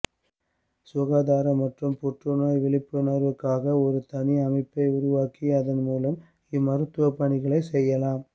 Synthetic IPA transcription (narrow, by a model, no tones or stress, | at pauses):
sʊɣaːðaːɾɐmɐʈrɯmpɔʈrɯnaːjʋɪɭɪpːɯnɐɾʋɯkːaːɣɐɔɾɯt̪ɐniɐmɐɪpːɐɪʊɾʊʋaːkiɐðɐnmuːlɐm | ɪmɐɾɯt̪ːɯʋɐpːɐɳɪɣɐɭɐɪsɛjːɐlaːm